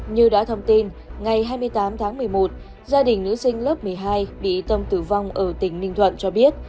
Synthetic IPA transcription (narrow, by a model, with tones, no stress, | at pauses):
ɲɨ˧ɗa̰ː˧˥t̪ʰə˧wŋ͡mt̪i˧n | ŋa˨˩jɦaː˧jmɨ˧əjt̪aː˨˦mt̪ʰaː˨˦ŋmɨ˨˩əjmo˨˩t̚ | zaː˧ɗï˨˩ŋ̟nɨ̰˧˥sï˧ŋ̟ləː˦˥p̚mɨ˨˩əjɦaː˧jɓḭ˧˨t̪ə˧mt̪ɨ˧˩va˧wŋ͡mʔəː˧˩t̪ï˧˩ŋ̟nï˧ŋ̟t̪ʰwə̰˧˨nt͡ɕɔ˧ɓi˦˥ət̚